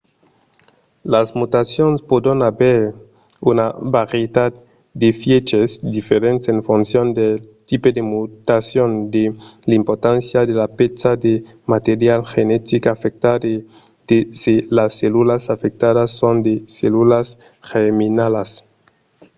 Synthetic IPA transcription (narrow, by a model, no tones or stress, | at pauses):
lasmut̪asjonspod̪enabeɾ | unabaɾjed̪ad̪̚ | d̪efjet͡ʃesd̪ifeɾent̪e̥seɱfunsjond̪elt̪iped̪emut̪asjond̪elimpoɾt̪ansjaðelapet͡sad̪e | mat̪eɾjalxenet̪ikafek̚t̪ade | d̪̥ezelasːelulasafek̚t̪aðasːond̪eselulas | xeminalas